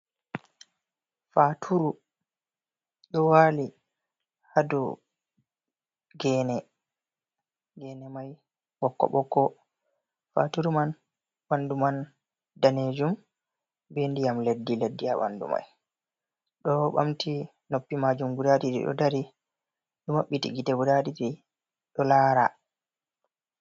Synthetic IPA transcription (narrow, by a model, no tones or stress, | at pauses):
fatʰuɾu | ɗɔwaːli | hadṵ | ɡɛːnɛ | ɡɛnɛmaj | ɓɔkːɔ̰ɓɔkːɔ | fa̰tuɾuman | wanduman | daned͡ʒum | bendijamledːiledːijawa̰ndṵma̰j | ɗɔɓa̰mti | nopːimaːd͡ʒumɡudadiɗḭɗɔ̰daɾi | ɗumaɓːitḭɡitaɡudadidi | ɗɔlaːɾa̰